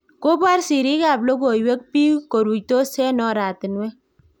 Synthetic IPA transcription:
ko˦pa˦ɾsi˨ɾi˦ka˦˨blo˦ko˨we˦k̚pi˦ko˨ɾu˨jto˦sɛ˦nɔ˨ɾa˨tɪ˨nwɛ˦

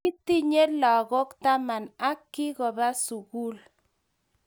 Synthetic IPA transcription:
i˦ti˦ɲe˦lɔ˨ɣo˦kt̪a˦ma˨na˦kːi˦ɣɔ˨ba˦su˨ɣu˦l

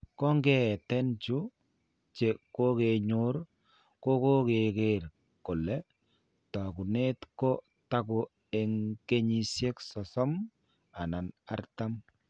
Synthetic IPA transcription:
kɔ˦ŋɡɛ˦˨tɛ˦nt͡ʃu˦ | t͡ʃe˨ko˦ke˨ɲu˦ɾ | ko˦ko˦ke˨ke˦ɾ | ko˨lɛ˦ | ta˨ku˨ne˦tkɔ˦ | ta˦kʊ˨ | e˨ŋke˦ɲi˨sje˦ksɔ˨sɔ˦m | a˨na˨na̰˦rta˦m

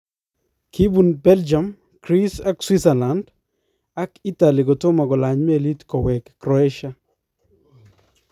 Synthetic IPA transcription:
kʰi˦bu˨nbɛld͡ʒa˨m | kɾi˦sa˦kswi˦saland | a˦ki˦ta˨li˨ɡɔ˨to˦ma˨ɡɔ˨la˨ɲmeli˦tkɔ˨wɛ˨kːɾɔɛʃa

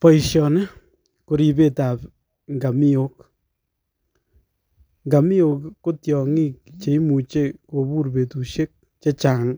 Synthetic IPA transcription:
pɔ˨iʃjɔ˨ne˦ | ko˧ɾi˨be˦ta˨p | ŋɡa˨mi˦ok | ŋɡa˨mi˦o˨kːo˦tjɔ˨ŋi˦kt͡ʃe˨i˦mu˨t͡ʃeko˨bu˦rbe˨tu˨ʃje˦k̚ | t͡ʃe˦t͡ʃa˨ŋ

